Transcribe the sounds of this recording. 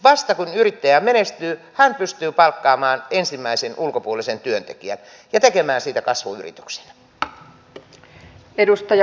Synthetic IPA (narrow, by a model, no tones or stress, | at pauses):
ʋɑst̪ɑkunyrit̪ːæjæmenest̪yː | hænpyst̪yːpɑlkːɑːmɑːnensimːæisenulkopuolisent̪yønt̪ḛkiæ̰n | jɑt̪ekemæːnsiːt̪ækɑsʋṵy̰rḭt̪y̥kse̥næ̥ | edust̪ɑj